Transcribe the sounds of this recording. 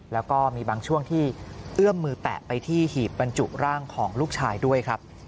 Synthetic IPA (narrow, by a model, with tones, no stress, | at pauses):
lɛː˦˥wkɔː˥˩miː˧baː˧ŋt͡ɕʰu˥˩əŋt̪ʰiː˥˩ʔɯ˥˩əmːɯː˧t̪ɛ̰˨˩ʔpa˧jt̪ʰiː˥˩hiː˨˩p̚ba˧nt͡ɕu˨˩ʔɾaː˥˩ŋkʰɔː˩˦ŋluː˥˩k̚t͡ɕʰaː˧jdu˥˩əjkʰɾa˦˥p̚